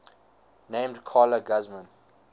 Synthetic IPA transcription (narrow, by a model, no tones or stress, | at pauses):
nẽɪ̃mdkʰɔːləɡazmə̃n